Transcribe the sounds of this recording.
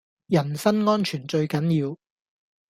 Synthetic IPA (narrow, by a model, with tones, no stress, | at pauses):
jɐ˨˩nsɐ˥nŋɔː˥nt͡ʃʰyː˨˩nt͡ʃɵ˧ɥkɐ˨˥njiː˧w